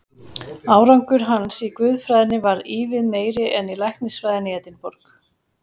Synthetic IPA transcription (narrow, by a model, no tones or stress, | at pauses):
aːwɾawŋkʏɾ̥ɦansikvʏðfɾajðnɪvaɾiːvɪðmeːjɾɪʔɛnilajhk̪nɪsvaːjðɪnɪɛt̪ɪnpɔɾk